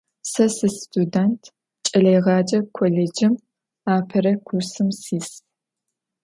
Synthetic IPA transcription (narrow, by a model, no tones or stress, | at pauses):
sɐsɨstʰudɐntʰ | t͡ʃʼɐɮɐjʁɑːd͡ʒʼɐkʷʰoleːd͡ʒɪm | aːpʰɐɾɐkʷʰʊrsɨmsiːs